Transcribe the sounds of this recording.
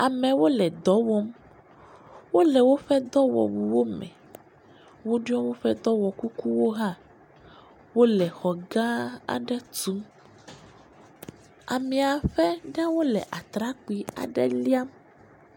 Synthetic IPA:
a˨mɛ̃˨wo˦lɛ˨d̪ɔ˨wɔ˦m | wo˦lɛ˨wo˦ɸɛ˦d̪ɔ˦wɔ̰˨wu˨wo˦mɛ̰̃˨ | wo˦ɖu˦ɔ˦wo˦ɸɛ˦d̪ɔ˦wɔ˨ku˦ku˦wo˦ɦa˦ | wo˦lɛ˨xɔ˨ɡã˦a̰˨ɖɛ˦t̪u˦m | a̰˨mĩ˨a˨ɸɛ˦ɖɛ˦wo˦lɛ̰˨ʔa˨t̪ɾa˦k͡pi˨a̰˨ɖɛ̰˦li˦a˦m

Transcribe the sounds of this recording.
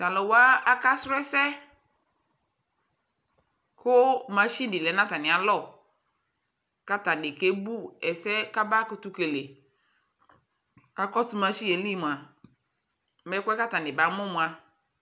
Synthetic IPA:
ta˨lɔ˨wa˦a˦ka˦sɾʊ˦ɛ˦sɛ˦ | kʊ˦mã˨˦ʃi˦n˦dɪ˨lɛ˨˦nã˦ta˨nɪ̃˨a˨lɔ˦˨ | ka˦ta˨dɪ˨ke˦bu˦ɛ˨sɛ˦ka˦ba˦ko˦tu˦ke˨le˨ | a˨kɔ˦su˦mã˨ʃi˦e˨li˦˨mũ˨a˨ | mɛ˨˦kʷɛ˦ka˦ta˨nɪ˨ba˨˦mʊ˦mũ˨a˨

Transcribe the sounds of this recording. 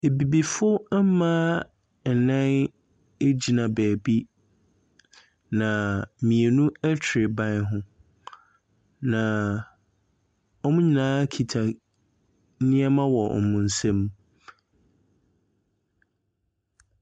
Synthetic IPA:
e˨bi˨bi˨fʊ˦m̩˦mãː˦ | n̩˨nã˦n | e˦d͡ʑi˨nã˨bæː˨bi˦ | nã˨mĩ˨e˨nũ˦æ˦t͡ɕʰɾɪ˨bã˦nɦʊ̃˦ | nã˨ | ɔ˦mʊ̃˦ɲĩ˨nãː˨˦kʰi˨tʰa˨˦ | nɪ̃˦ɛ˦mã˦wɔ˨ɔ̰˨mʊ̃˨n̩˨sɛ̃˦m˦

